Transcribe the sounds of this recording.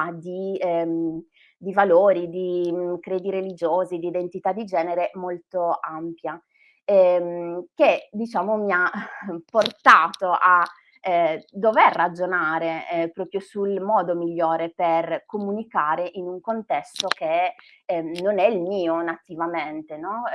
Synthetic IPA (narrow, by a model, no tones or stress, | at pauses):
d̪i | d̪ivaloːɾid̪ikɾeːd̪iɾelid͡ʒoːzid̪iːd̪ent̪it̪ad̪ːid͡ʒɛːneɾemolt̪oampja | ɛmked̪it͡ʃaːmomiapːort̪aːt̪oʔa | d̪ːoverːad͡ʒonaːɾepɾɔːpɾjosulmɔːd̪omiʎːoːɾeperkomunikaːɾeʔinuŋkont̪ɛst̪ok̟e | nonɛilmiːonat̪ivament̪enɔ